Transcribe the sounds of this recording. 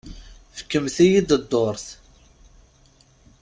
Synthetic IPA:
fə̥kːəmθijid̪əd̪ːoɾˤθ

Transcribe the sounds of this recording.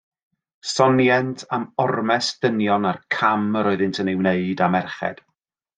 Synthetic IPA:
sɔnjɛntʰamɔrmɛsd̥ənjɔnarkʰaməɾɔɨðɨntʰənewneɨdamɛrχɛ̰d̥

